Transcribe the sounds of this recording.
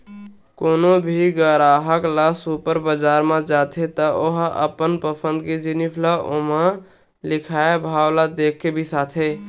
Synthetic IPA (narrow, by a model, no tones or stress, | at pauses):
konobʱiɡəɾaɦəklasupəɾbəd͡ʒaɾmẽd͡ʒat̪ʰet̪əoɦə̰pənpəpʰənd̪ked͡ʒinipʰlaʔomã | likʰaebʱawlad̪ekʰːebʱisat̪ʰe